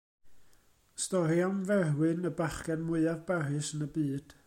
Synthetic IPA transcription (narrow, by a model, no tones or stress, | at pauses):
stɔrianvɛrwɨnəbaχkɛnmwʊɨavbarɨsənəbiːd̥